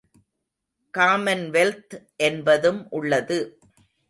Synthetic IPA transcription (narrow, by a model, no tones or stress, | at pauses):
kaːmɐnʋɛlt̪ʔɛnbɐðɯmʔʊɭːɐðɯ